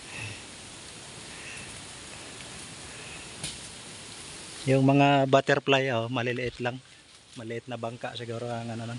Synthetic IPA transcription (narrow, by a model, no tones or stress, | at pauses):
jʊŋmɐŋabat̪ɛɾplajomɐlɪlɪʔɪt̪laŋ | mɐlɪʔɪt̪̚nɐbaŋka̰ʔsɪɡuːɾoaŋanonaŋ